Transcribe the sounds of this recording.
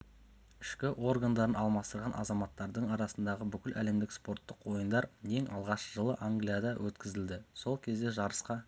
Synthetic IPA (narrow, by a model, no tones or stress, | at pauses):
ɪʃkʲɪʔo̞rɡand̪ɑɾənɑlˠmɑst̪əɾʁɑnʔɑ̰zɑmɑt̪ːɑɾd̪əɴɑɾɑsənd̪ɑʁəbʏkʲɪlʔæ̰le̞md̪ɪkspo̞rt̪ːəqwo̞jənd̪ɑɾe̞ŋɑlˠʁɑʃəʒəlˠəʔaŋɡlijad̪ɑwʔɵt̪kʲɪzɪld̪ɪso̞lˠkʲʰe̞zd̪eʒɑɾəsqɑ